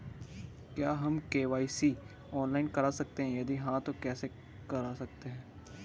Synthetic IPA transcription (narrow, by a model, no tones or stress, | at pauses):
kjaːɦɐmkeːʋaːisi | ɔːnlaːɪnkɐɾasɐk̚t̪eɦɛ̃jɐd̪iɦãt̪okɛːse | kɐɾaːsɐk̚t̪eɦɛ̃ː